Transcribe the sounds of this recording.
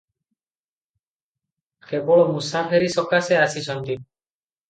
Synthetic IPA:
kʰebɔɭɔmusapʰeɾisɔkaseasisɔnt̪i

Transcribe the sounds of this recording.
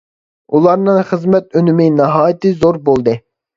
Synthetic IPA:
ulˠɑɾnɨŋχəzmɛt̪ønɪmɪnɑɦɑːjɪt̪ɨzoɾbolˠd̪ɨ

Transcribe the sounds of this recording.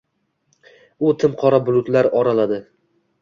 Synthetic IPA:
ʊt̪ʰɪmqʰɒɾabʊlˠʊt̪laɾɒɾalad̪ɪ

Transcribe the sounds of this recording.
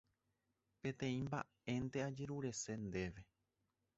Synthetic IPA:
pẽ̞t̪ẽ̞ĩmba | ẽ̞nt̪e̞ad͡ʒe̞ɾuɾe̞se̞nd̪e̞ʋe̞

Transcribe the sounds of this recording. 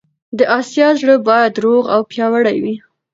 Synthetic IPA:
d̪əʔɑsjɑzɽəbɑjad̪ɾoɣawpjɑwaɽajwi

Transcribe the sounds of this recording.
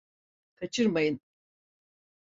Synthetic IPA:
kʰat͡ʃʰɯɾmajɯn

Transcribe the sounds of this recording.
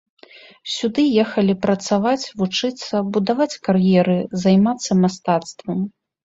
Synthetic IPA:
sʲud̪ɨjɛxɐlʲipɾɐt̪savat͡sʲvut͡ʂɨt̪sːɐbud̪avat͡sʲkarjɛɾɨzajmat̪sːɐmast̪at̪st̪vɐm

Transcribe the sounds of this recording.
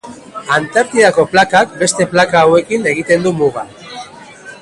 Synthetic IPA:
ant̪aɾt̪iðako̞plakak̚be̞st̪e̞plakaːwe̞kine̞ɣ̞it̪e̞nd̪umuɣ̞a

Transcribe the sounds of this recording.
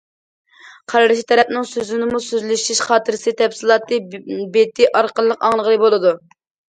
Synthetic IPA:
qʰɑɾɑɾɨʃit̪ʰɛɾɛpnɪŋsøzynɪmusøzlyʃiʃχɑːt̪ʰɨɾɪsɨt̪ʰɛpsɨlˠɑːt̪ɨbet̪ʰɪʔɑɾqəlˠːəqɑŋlˠəʁəlˠɨbolˠɨd̪u

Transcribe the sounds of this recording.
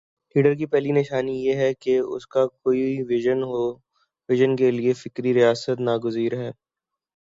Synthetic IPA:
liːɖəɾk̬ipɛɦlinɪʃaːnijeɦɛkeʊ̰skakoːiʋɪʒənɦo | ʋɪʒənkeliefɪkɾiɾijaːsət̪naɡʊziːɾɦɛː

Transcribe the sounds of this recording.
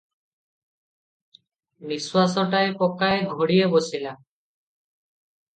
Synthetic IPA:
miswasɔʈaepɔkaeɡʱoɽijebosila

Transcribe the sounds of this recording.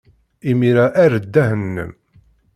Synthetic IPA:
imiɾaʔæɾəd̪ːæɦənːə̰m

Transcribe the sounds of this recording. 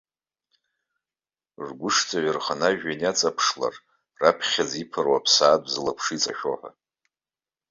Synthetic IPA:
ʐɡʷʊʂt͡sʰʼaɥɪrχanaʒᶣanat͡sʼapʰʂla̰r | rapʰχʲazipʰɨrwapʰsaːdʼzɨlapʰʂit͡sʼa̰ʃᶣoħʷa

